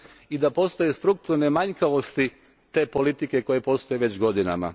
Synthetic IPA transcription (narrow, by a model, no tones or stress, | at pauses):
id̪apo̞st̪ojest̪ɾuk̚t̪uɾne̞maɲkaʋo̞st̪i | t̪e̞ːpo̞lit̪ike̞ko̞je̞po̞st̪o̞jeʋe̞t͡ɕɡo̞d̪ina̰ma̰